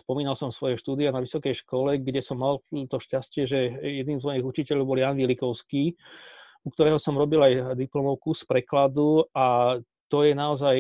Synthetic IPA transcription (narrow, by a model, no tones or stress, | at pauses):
spɔmiːnalsɔmsʋɔjɛʃt̪uːd̪ianaʋisɔkɛjʃkɔlɛɡɟɛsɔmːalt̪ɔʃcascɪɛʒɛjɛd̪niːmzmɔjiɣut͡ʃicɛʎɔʊbɔljaːnʋilikɔʊskiː | uk̚t̪ɔɾɛːɦɔsɔmɾɔbilajd̪iplɔmɔʊkuspɾɛklad̪ua | t̪ɔjɛnaɔzaj